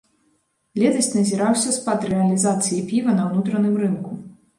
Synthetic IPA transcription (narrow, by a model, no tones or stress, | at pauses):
lʲɛt̪ɐsʲtʲnɐzʲiɾawsʲɐspɐd̪ɾɛɐlʲizat̪sɨjipʲivɐnɐwnut̪ɾɐnɨmrɨnku